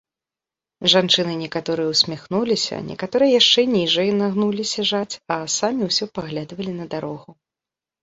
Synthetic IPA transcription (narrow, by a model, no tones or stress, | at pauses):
ʐant͡ʂɨnɨnʲɛkat̪ɔɾɨjɛwsʲmʲaxnulʲisʲɐ̰nʲɛ̰kat̪ɔɾɨjɛjaʂt͡ʂɛnʲiʐɐjnaɣnulʲisʲɐʐat͡sʲɐsamʲiwsʲɔpaɣlʲad̪vɐlʲinɐd̪aɾɔɣu